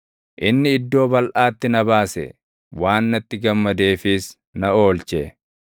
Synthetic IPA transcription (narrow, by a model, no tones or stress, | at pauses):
ʔɪnːɪɪd̪ːo̞ːbɐlʔaːt̪ːɪnɐbaːsɛ̰ | waːnːɐt̪ːɪɡɐmːɐd̪e̞ːfɪs | nɐo̞ːlt͡ʃɛ